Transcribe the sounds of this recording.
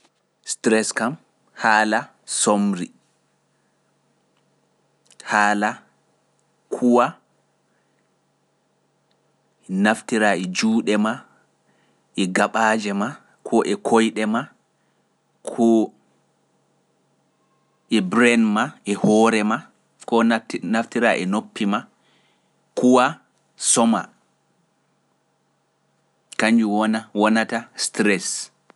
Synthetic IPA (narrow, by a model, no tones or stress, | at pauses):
stɾɛskam | haːla | somɾi | haːla | kʰuwa | ɛnaftiɾaɛd͡ʒuːɗɛma | ʔɛɡaɓaːd͡ʒɛma | kʰɔʔɛkʰojɗɛma | kʰɔ | ɛbɾɛnmaɛhɔːɾɛma | kɔnaftiɾa̰ʔɛnopːima | kuwa | sɔma | kaɲd͡ʒuɔnawɔnatastɾɛs